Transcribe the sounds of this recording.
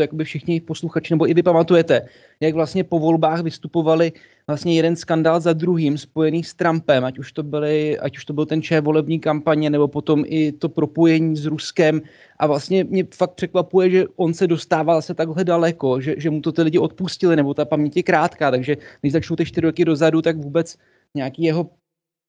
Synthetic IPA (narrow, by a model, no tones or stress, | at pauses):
ojakobɪfʃɪxɲɪxpo̞sluxat͡ʃɪnɛbo̞ʔɪvɪpamat̪ujɛt̪ɛ | jaɡvlast̪ɲɛpo̞vo̞lbaːxvɪst̪upo̞valɪ | vlast̪ɲɛjɛdɛnskandaːlzad̪ɾuɦiːmspo̞jɛniːst̪ɾampɛmʔacuʃt̪o̞bɪlɪa̰cu̥ʃt̪o̞bɪlt̪ɛnt͡ʃɛːvo̞lɛbɲiːkampaɲɛnɛbo̞po̞t̪o̞mʔɪt̪o̞pɾo̞po̞jɛɲiːzɾuskɛm | ʔavlast̪ɲɛmɲɛfak̚t̪̚pr̥ɛkvapujɛʒɛʔo̞nsɛdo̞st̪aːvazasɛt̪aɡɦlɛdalɛko̞ʒɛʒɛmut̪o̞t̪ɪlɪɟɪʔo̞t̪̚puscɪlɪnɛbo̞t̪apamɲɛcɪkɾaːt̪kaːt̪aɡʒɛnɛʒzat͡ʃnowt̪ɛʃt̪ɪɾɪɾokɪdo̞zadut̪aɡvuːbɛt͡s | ɲɛakiːjɛɦo̞